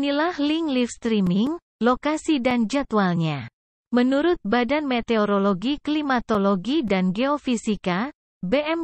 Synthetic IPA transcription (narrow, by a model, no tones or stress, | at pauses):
nilahliŋlifst̪ɾimiŋ | lokasidand͡ʒat̪ualɲa | mənuɾʊt̪̚badanmet̪eoɾoloɡiklimat̪oloɡidanɡeofisika | beʔɛm